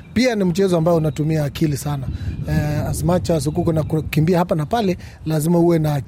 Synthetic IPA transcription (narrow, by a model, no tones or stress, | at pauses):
pianim̩t͡ʃɛzɔambaɛunatumiaːkʰilisana | asmat͡ʃas̬ukukɔnakukimbiahapanapalɛ | lazimauwɛnaː